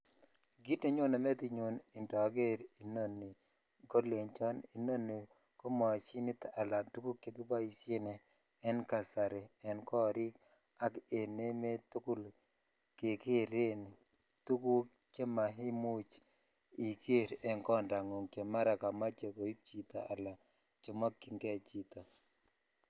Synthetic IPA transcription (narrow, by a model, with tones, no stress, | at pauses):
ɡi˦te˨˦ɲo˦na˨mɛ˦t̪i˨ɲo˨ni˨ndɔ˨ɡe˦ɾi˨no˦nːi˨ | ɡo˦le˨ɲt͡ʃɔ˦ni˨no˦nːi˨ | ko˦mɔ˨t͡ʃi˦ni˦ta˨la˨tu˦ku˦kːe˦ɡi˦ba˦i˨se˦nɛː˨˦ | nka˨sa˨ɾe˨ɛ˨nkɔ˦˨ɾɪ˦k | a˦ke˨ne˦me˦tu˦ku˦l | kɪ˨kɪ˦ɾe˦ni˨ | tu˦ku˦ | t͡ʃe˦ma˨ɦɪ˦mu˦t͡ʃ | i˨ke˦ɾɛ˨nkɔ˦nda˨ŋo˨ŋkje˨ma˦ɾa˨ka˨ma˦t͡ʃe˨ko˨i˦p̚t͡ʃi˨t̪a˨ʔa̰˨la˨ | t͡ʃo˨mɔ˦ki˨ŋɡe˦˨t͡ʃi˨t̪o˨